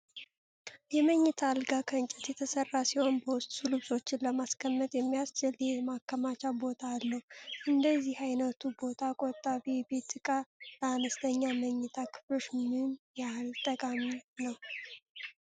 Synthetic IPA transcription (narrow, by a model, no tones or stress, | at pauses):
jɛməɲːɨt̪ʰalɡakʰəɨnt͡ʃʼɪt̪jɛt̪ʰəsərːasiho̞nbəwʊst̪ʼsuluso̞t͡ʃːɪnləmaskʰəmːət̪ʼjɛmːijast͡ʃɪljɛmakːəmat͡ʃabo̞t̪ʰaːlːəhuʔɨnd̪əzːihajnət̪ʰubo̞t̪ʰakʼot̪ʼːaβibe̞t̪ɨkʼabəanəst̪ʰəɲːaməɲːɨt̪ʰakʰɨ̥flo̞ʃmɨnjahlt̪ʼəkʼaminəw